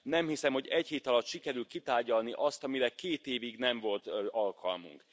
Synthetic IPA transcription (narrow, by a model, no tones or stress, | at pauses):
nɛmhisɛmho̞ɟɛcheːt̪ɒlɒt̪ʃikɛɾylt̪kit̪aːrɟɒlniʔɒst̪ɒmiɾɛkeːt̪eːviɡnɛɱvo̞lt̪ɒlkʰɒ̰lmṵŋk